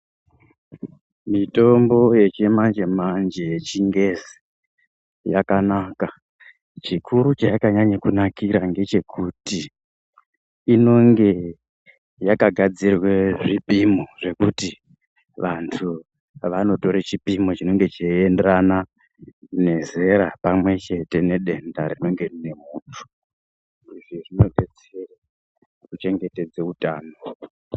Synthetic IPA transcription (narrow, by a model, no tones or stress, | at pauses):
mito̞mbo̞je̞t͡ʃemand͡ʒe̞mand͡ʒejet͡ʃiŋɡe̞zi | jakanaka | t͡ʃikʰuɾut͡ʃajakaɲaɲakunakiɾaŋɡe̞t͡ʃe̞kʰuti | no̞ŋɡe̞ | jakaɡʱad͡zirwe̞ʐipimoʐe̞kuti | ʋantʰu | ʋano̞to̞ɾet͡ʃipimot͡ʃino̞ŋɡe̞t͡ʃaendrana | ne̞ze̞ɾapamwe̞t͡ʃe̞te̞ne̞ɗe̞ndaɾino̞ŋɡe̞rine̞muːntʰu̥ | iʐiʐino̞ɓet͡s | era | kut͡ʃe̞ŋɡe̞te̞d͡zeutaːno̞